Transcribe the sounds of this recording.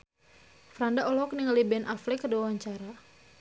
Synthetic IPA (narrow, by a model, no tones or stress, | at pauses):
fɾandaʔɔlɔk̚niŋlibɛnʔaflɛkərduwawaɲt͡ʃaɾa